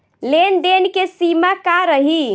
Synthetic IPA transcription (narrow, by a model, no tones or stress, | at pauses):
lend̪enkesimakaɾəɦi